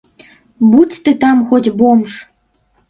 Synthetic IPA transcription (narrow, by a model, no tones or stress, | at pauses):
butʲt̪ɨt̪ɑmxot̪ʲbomʃ